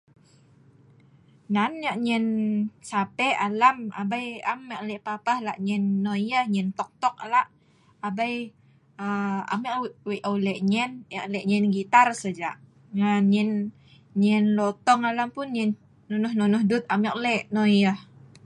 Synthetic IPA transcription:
nanjaʔɲɛnsapɛalama̰bajamɛʔ̚lɛʔpapahlaʔɲɛnːɔjəhɲɛnt̪ɔk̚t̪ɔk̚laʔ | abaj | əa̰mɛʔwɛʔəwlɛʔɲɛnjaʔlɛʔɲɛnɡit̪arsəd͡ʒaʔ | ŋanɲɛn | ɲɛnlɔt̪ɔŋalampʊnɲɛnː | ɔnɔhnɔnɔhdʊt̪̚amɛk̚lɛʔnɔjəh

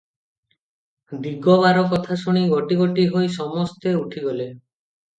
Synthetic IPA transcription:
d̪iɡɔβaɾɔkɔt̪ʰasuɽ̃iɡɔʈiɡɔʈiɦojsɔmɔst̪euʈʰiɡɔle

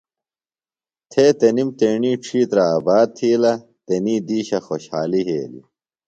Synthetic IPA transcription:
t̪ʰeːt̪ɐnimt̪eːɳiːʈ͡ʂʰiːt̪ɾɐaːbaːd̪̚t̪ʰiːlɐ | t̪eniːd̪iːɕɐxoɕhaːliɦḛːlḭ

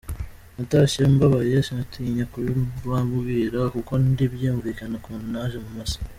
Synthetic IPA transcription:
nataʃiombaβaɾiaʃinatʰiɲakuɾiwaɡiːɾakuko̞ndibjuuɱviːkanakuːnunaʒemumasḁ

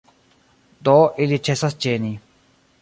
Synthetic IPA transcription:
t̪ɔʔeliʈ͡ʂʰesast͡ɕeːni

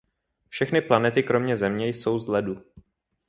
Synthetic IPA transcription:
fʃɛxnɪplanɛt̪ɪkɾo̞mɲɛzɛmɲɛjso̞wzlɛdu

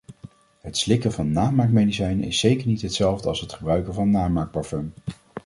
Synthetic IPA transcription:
ɦətslɪkəvɑnːaːmaːɹkmejdisɛjnɪ̰sːejkəɹnitɦətsɛlˠvdəɑlˠsɦətχəbrœɥkəvɑnːaːmaːɹk̚paɹfɔm

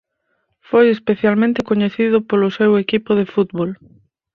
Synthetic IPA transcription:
fojespeθjalmẽnt̪ɪkoɲeθiðʊpolʊsewekipʊðefut̪βol

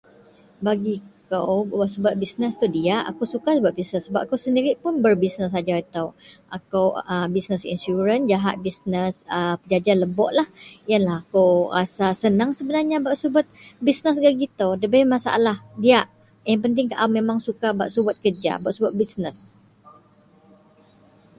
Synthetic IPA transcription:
baɡikəwbaʔsubat̪̚bisnəst̪udiaʔa̰kowsukasəbat̪̚bisnəsəbap̚akawsəndiɾɪʔ̪̚pʊnbərbisnəs̬ad͡ʒaət̪awʔakawəbisnəsḭnsuɾənd͡ʒaɦat̪̚bisnəsəpəd͡ʒad͡ʒanləbɔʔlahjənlahakawrasasənaŋsəbənarɲabaʔsubʊt̪̚bisnəs̬ɡaʔ̚ɡit̪awdəbamasa̰ʔa̰lahdiaʔ | jaŋpənt̪̬ɪŋkaʔamemaŋsukabaʔsubat̪̚kərd͡ʒa̰baʔsubat̪̚bisnəs

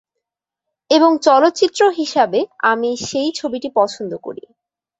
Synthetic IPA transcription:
eboŋt͡ɕɔlot̪ːt͡ɕit̪ːɾoɦiʃabeamiʃejt͡ɕʰobiʈipɔt͡ɕʰond̪oko̰ɾḭ

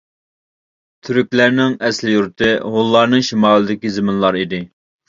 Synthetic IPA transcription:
t̪ʰyɾykʲlæɾnɪŋɛslɪjuɾt̪ʰɨɦolˠːɑɾnɨŋʃimɑːlˠɨd̪ɪkʲizɪmɪnlˠɑɾid̪ɪ

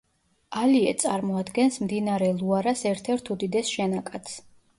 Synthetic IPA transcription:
aliɛt̪sʼaɾmɔad̪ɡɛnsmd̪inaɾɛlˠuaɾasɛɾt̪ʰɛɾt̪ʰud̪id̪ɛsʃɛnakʼat̪s

